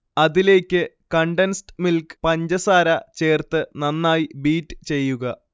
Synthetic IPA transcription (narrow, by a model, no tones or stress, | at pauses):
ɐðile̞ːkʲːɨkɐɳɖensʈmilkpɐɲd͡ʑɐsaːɾɐt͡ɕe̞ːrt̪ɨnɐnːaːjibiːʈːɨ̥t͡ɕe̞jːuɣɐ